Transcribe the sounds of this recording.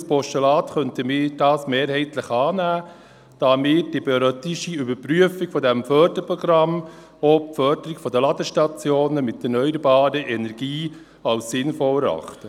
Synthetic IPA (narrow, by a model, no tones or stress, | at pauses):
spɔʃtɛlɑːtχœntəmɪːɾd̥ɑːsmeːɾhɛɪtləχɑːnæː | d̥ɑːmɪːɾd̥ibɛɾœt̪ɪʃiybəɾpryəfɪɡ̥fɔdɛmfœɾd̥əɾpɾɔɡ̥ɾɑm | ɔpfœɾdəɾɪɡfɔd̪əlɑd̪əʃtɑt͡sjoːnəmɪtːɛɾnœʏəɾbɑːɾəʔɛnɛɾɡiː | ɑlssɪnfɔləɾɑ̰χtə